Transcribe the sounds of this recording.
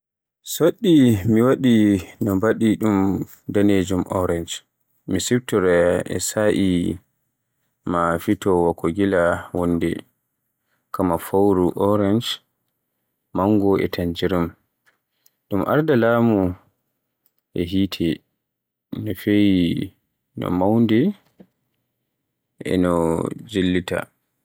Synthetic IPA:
soɗːimiwaɗinɔmbaɗiɗum | daned͡ʒumʔɔɾand͡ʒ | misibtɔɾɛɛ̰saʔi | mafitɔwakːoɡilawɔndɛ̰ | kamafawɾuʔɔɾand͡ʒ | maŋɡɔʔɛ̰tʰaɲd͡ʒiɾum | dumʔa̰ɾdalaːmu | ʔɛɦiːtʰɛ | nɔfeji | nɔ̰mawndɛ | ʔɛ̰nɔd͡ʒilːita̰

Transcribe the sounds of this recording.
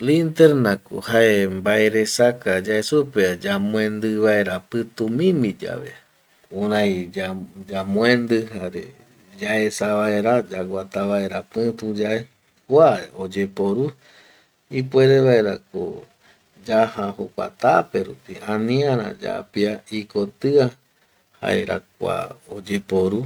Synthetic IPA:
lint̪eɾnako̰haembaeɾesakad͡ʒaesupead͡ʒamw̃ẽnd̪ɨβae̞ɾapɨt̪umĩmid͡ʒa̰βḛ | ũɾãjad͡ʒamw̃ẽnd̪ɨɦaɾḛ | d͡ʒaesaβaeɾad͡ʒaɡʷat̪aβaeɾapɨt̪ud͡ʒae | kʷaeod͡ʒe̞po̞ɾu | ipweɾeβaeɾako̰ | d͡ʒahãhokʷa̰t̪apeɾupiãnĩãɾã̰d͡ʒa̰piaikot̪ɨa | ha̰eɾa̰k̚ʷa̰od͡ʒepoɾu

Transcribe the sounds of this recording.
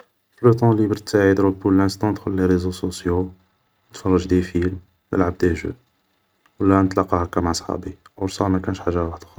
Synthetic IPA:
flut̪ˤɑ̃libɾt̪ːaʕid̪ɾul̚puɾlæ̃st̪ɑ̃t̪xʊlːeɾezososjo | ət̪fɑrˤːɑʒd̪ifil | nə̰lʕab̚d̪eʒṵd | wəlːænət̪lɑqːɑhækːæmaʕsˤħɑ̰bi | wɾsɑmækænəʃħaʒːawaħəd̪x

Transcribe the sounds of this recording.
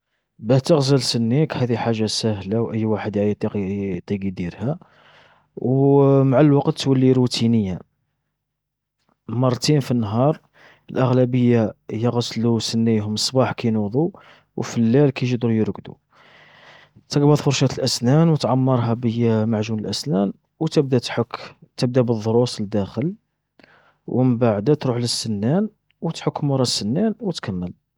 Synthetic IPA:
bæt̪əɣzəlsənːikhæd̪iħaʒːasæhlawʔəjːwaħəd̪ʕajt̪ˤiqt̪ˤːiɡid̪iɾhæ | wmaʕalwɑqt̪ːwəlːiɾut̪ʰinəjːa | mɑɾˤt̪infinːɦɑɾˤ | əlʔəɣlæbəjːajəɣəslusənːijɦʊmsˤbɑħkæjnud̪ˤu | wfəlːælkæjʒəd̪ɾujəɾɡd̪ṵ | t̪əɡbɑd̪ˤfʊɾˤʃæt̪əlʔæsnænwət̪ʕɑmːɑɾˤɦɑbəjæmaʕʒunəlʔæsnæn | wt̪əb̚d̪æħkt̪əb̚d̪æbəðˤːɾusˤld̪æxəl | wməmbaʕd̪æt̪ɾuħləsːənːæn | wət̪ħʊkːmʊɾˤɑsːənːænwət̪kʰæmːəl

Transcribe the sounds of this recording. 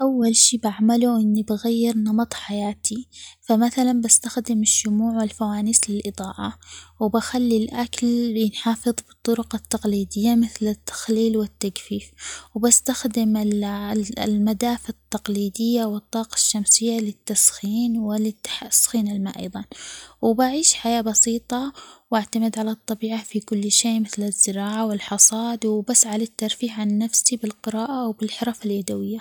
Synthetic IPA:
ʔawːalʃiːbaʕmaluʔɪnːibaɣajːɪɾnɑmɑt̪ˤħajaːt̪ʰifamaθalanbast̪axd̪ɪmɪʃːʊmuːʕwɪlfawaːnislɪlʔɨd̪ˤɑːʔɑwbaxalːilʔakljɪnħɑːfɨðˤbɨt̪ˤːʊɾʊqɑt̪ːɑqliːd̪ɪjːamɪθlɪt̪ːḁxliːlwɪt̪ːakfiːfwbast̪axd̪ɪmɪ | lmad̪aːfat̪ːɑqliːd̪ɪjːawɨt̪ˤːɑːqɑ̥ʃːamsɪjːalɪt̪ːasxiːnwɪlɪt̪ːḁsxiːnɪlma̰ːʔɑ̰jðˤɑnwbaʕiːʃħajaːbɑsiːt̪ˤɑwaʕt̪amɪd̪ʕalat̪ˤːɑbiːʕafikʊlːʃeːmɪθlɪzːɪɾɑːʕawɪlħɑsˤɑːd̪wbasːʕalɪt̪ːɑɾˤfiːħʕanːafsibɪlqɨɾɑːʔawbɪlħʊɾˤɑfaljad̪awɪjːa

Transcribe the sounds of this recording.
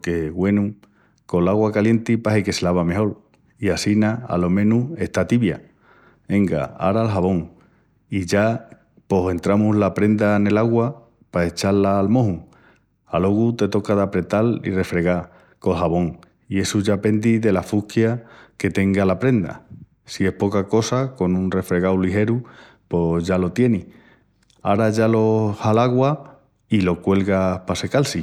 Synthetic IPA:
ke̞ɣwe̞nu | ko̞laɣwakalje̞nt̪ipaɦeke̞selaβame̞ɦo̞l | iasinaa̰lo̞mẽ̞nue̞ht̪at̪iβja̰ | e̞ŋɡa̰a̰ɾalɦaβo̞ŋ | iʝa | po̞se̞nt̪ɾamuɦlapɾe̞nd̪ane̞laɣwa | pae̞t͡ʃalːaːlmo̞ɦuŋ | alo̞ɣut̪e̞t̪o̞kaðapɾe̞t̪alḭre̞fɾe̞ɣa | ko̞ɦaβo̞ŋ | ie̞suʝape̞nd̪iðe̞lafukjake̞t̪e̞ŋɡalapɾe̞nd̪a̰ | sie̞hpo̞kako̞sako̞nũnre̞fɾe̞ɣawliɦe̞ɾu | po̞ʝalo̞t̪je̞ni | aɾaʝalo̞halaɣwa | ilo̞kwe̞lɣapase̞kalsi

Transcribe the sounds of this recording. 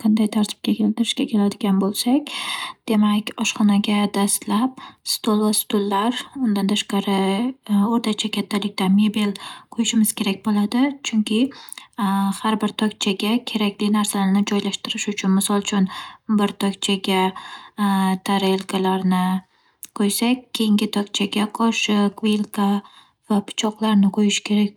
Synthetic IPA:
qʰɑnd̪ajt̪ʰaɾt̪ʰɪ̥p̚kʲakʲʰe̞lɪt̪ɪɾɪʃkʲakʲʰe̞lad̪ɪɡʲanbolˠsakʲd̪̥e̞makʲɒʃχɒnaɡʲad̪ast̪lap̚st̪olˠvast̪ʊlːaɾʊnd̪ant̪ʰaʃqɑɾɪ | oɾt̪ʰat͡ʃʰakʲʰat̪ʰːalɪk̚ʲt̪amebilqʰojɪʃɪmɪz̥kʲʰe̞ɾak̚ʲbolad̪ɪt͡ʃʰʊŋkʲʰɪ | haɾbɪɾt̪ʰɒkʲt͡ʃʰaɡʲakʲʰe̞ɾakʲlɪnaɾsalaɾnɪd͡ʒɒjlaʃt̪ɪɾɪʃʊt͡ʃʰʊnmɪsɒlˠt͡ʃʰʊnbɪɾt̪ʰɒkʲt͡ʃʰaɡʲa | t̪ʰaɾelˠkʰalaɾnɪ | qʰojsakʲʰːejɪŋɡʲɪt̪ʰɒkʲt͡ʃʰaɡʲaqʰɒʃɪqvelˠkʰa | vapʰʊ̥t͡ʃʰɒqlˠaɾnɪqʰojɪʃkʲʰe̞ɾak̚ʲ

